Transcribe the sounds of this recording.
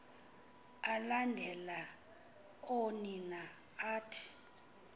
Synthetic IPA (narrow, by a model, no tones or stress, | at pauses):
alandʱɛla | onina | aːtʰi̥